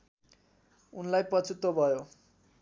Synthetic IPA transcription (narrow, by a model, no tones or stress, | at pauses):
unlajpʌt͡sʰut̪obʱʌjo